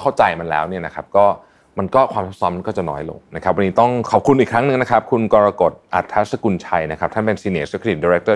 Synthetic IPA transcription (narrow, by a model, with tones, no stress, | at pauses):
kʰa˥˩wt͡ɕa˧jma˧nlɛ̰ː˦˥wni˥˩ɐna˦˥kʰa˦˥p̚kɔː˥˩ | ma˧nkɔː˥˩kʰwaː˧mt̪ʰo˦˥t̪̚sɔ˦˥ma˧nkɔː˥˩t͡ɕa˨˩nɔ̰ː˦˥jlo̰˧ŋna˦˥kʰa˦˥p̚wa˧nːiː˦˥t̪ɔ˥˩ŋkʰɔː˨˩p̚kʰu˧nʔiː˨˩kʰɾa˦˥ŋnɯ˨˩ŋna˦˥kʰa˦˥p̚kʰu˧nkɔː˧ɾa˧ko˨˩t̪̚ʔa̰˨˩t̪ʰːa˦˥sa˧ku˧nt͡ɕʰa˧jna˦˥kʰa˦˥t̪ʰa˥˩npe˧nsi˧neː˨˩sa˦˥kʰɾi˨˩t̪̚diː˧ɾɛ˦˥k̚t̪ɤː˥˩